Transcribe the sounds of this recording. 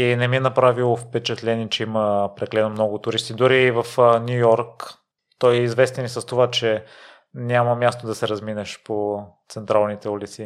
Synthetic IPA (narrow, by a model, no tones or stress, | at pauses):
inɛmiɛnɐpɾavilˠofpɛt͡ʃɛt̪lɛniɛt͡ʃɛiməpɾɛklɛd̪nomnɔɡʊt̪ʊɾist̪id̪ʊɾiːvɐfnʲujɔɾk | t̪ɔjɛizvɛst̪ɛnisɐst̪ovat͡ʃɛ | nʲaməmʲjast̪od̪ɐsɛɾɐzminɛʃpot̪sɛnt̪ɾalˠnit̪ɛulit̪si